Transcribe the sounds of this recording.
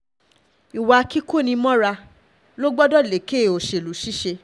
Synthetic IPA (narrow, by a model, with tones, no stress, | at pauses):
i˨wa˨˦ki˦ko˦˨nĩ˧mɔ̃˦ɾa˧ | lo˦ɡ͡bɔ˦dɔ˦˨le˨˦ke˦˨o˨ʃe˧˨lu˨ʃi˦ʃe˧